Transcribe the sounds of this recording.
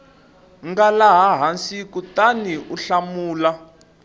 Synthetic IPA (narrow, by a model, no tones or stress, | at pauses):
ŋɡalaɦaɦansikutaniʔuɬamuːla